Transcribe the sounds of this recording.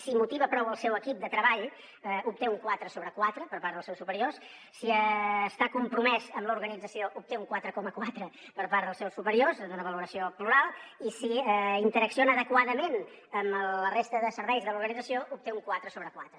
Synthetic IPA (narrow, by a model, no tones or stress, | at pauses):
simut̪iβəpɾɔwəlˠsɛwəkip̚d̪ət̪ɾəβaʎ | up̚t̪euŋkwat̪ɾəsoβɾəkwat̪ɾəpəɾpaɾðəlˠsɛwsupəɾios | siəst̪akumpɾumɛzəmləuɾɣənid͡zəsioʔup̚t̪euŋkwat̪ɾəkɔməkwat̪ɾə | pəɾpaɾðəlˠsɛwsupəɾiozd̪unəβəluɾəsiopluɾalˠisiɛint̪əɾəksionəːðəkwaðəmen | əməərest̪əðəsəɾβɛjzðəluɾɣənid͡zəsioʔup̚t̪euŋkuat̪ɾəsoβɾəkwat̪ɾə